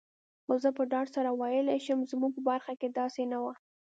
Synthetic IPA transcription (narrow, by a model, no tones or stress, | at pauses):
xozəpəɖɑɖsaɾawɑjəlaʃəmzmuɡ̚pəbaɾxaked̪ɑsenawa